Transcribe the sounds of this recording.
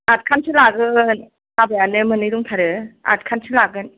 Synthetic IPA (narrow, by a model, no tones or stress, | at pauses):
at̚kʰansʰɯlaɡɯn | sabajanɯmɯnɯjɾuŋtʰaɾɯa̰t̚kʰansʰɯlaɡɯn